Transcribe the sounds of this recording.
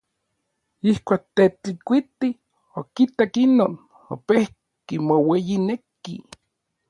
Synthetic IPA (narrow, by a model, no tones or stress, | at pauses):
ihkʷaːk̚t̪et̪ikʷit̪i | okit̪akinoːn | o̰pehkkimowejinekḭ